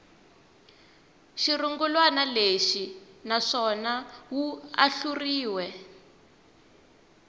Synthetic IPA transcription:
ʃiruŋɡulwanaleʃinaʂɔnawua̰ɬuriːwɛ

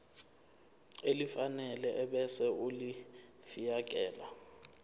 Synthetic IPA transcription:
elifanɛlɛʔɛɓɛsɛulifijak̬ʼɛːla

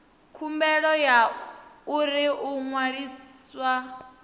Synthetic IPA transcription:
kʰumbɛɺɔjauɾiʔuŋwaɺiːswa

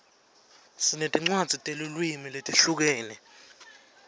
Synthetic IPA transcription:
sinetʼiŋ͡ǀwad̥z̥ʱitʼelulwimiletʼiɬuk̬ɛːnɛ

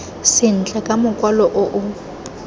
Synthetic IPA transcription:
sɪn̩t͡ɬʼakʼamʊkʼwalɔʔʊʔʊ

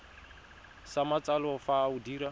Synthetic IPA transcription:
samat͡salɔfaudiːɾa

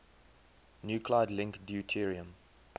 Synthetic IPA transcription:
njuːkʰlaɪdlɪ̃ŋkdjutʰiɹiə̃m

